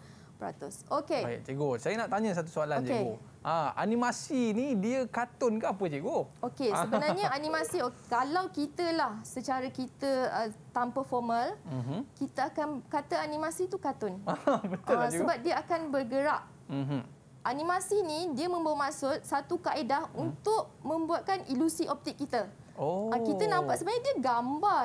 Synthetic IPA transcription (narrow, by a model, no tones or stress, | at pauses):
pəɾa̰t̪ʊ̰sʔokeaʔt͡ʃeɡosajənaʔt̪aɲə̃s̬at̪usoalaont͡ʃeeo | ʔãa̰nĩmasinidiəkat̪ʊnkahpuət͡ʃeɡookesəbənarɲəanĩmãsiokkalawkit̪əlahsət͡ʃaɾəkit̪əət̪ampəfɔrmə̃lɦkit̪əakankat̪əanĩmãsit̪ukat̪ʊnbət̪ʊlsəbap̚diəakanbərɡəɾaʔ̚ | ʔanĩmãsinidiəmə̃mbawəmãsʊt̪̚sat̪ukaʔedahunt̪ʊʔ̚mə̃mbuat̪̚kanilusiʔɔp̚t̪ɪk̚kːit̪ə | okit̪ənãmpaʔsəbənɲadiəɡamba